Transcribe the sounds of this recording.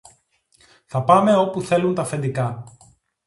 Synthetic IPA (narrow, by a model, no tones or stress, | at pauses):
θɐpɐme̞o̞puθe̞lunt̪ɐfe̞nd̪ikɐ